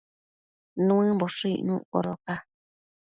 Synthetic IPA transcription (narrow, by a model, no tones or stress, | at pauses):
nũɨ̃mboʂiḭʔnũo̰ɾoka